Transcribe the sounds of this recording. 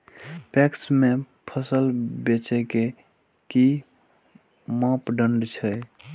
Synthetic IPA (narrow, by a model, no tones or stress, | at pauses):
pɛksme | pʰəsəlbet͡ʃɛke | ki | mãpɖəɳɖt͡ʃʰəj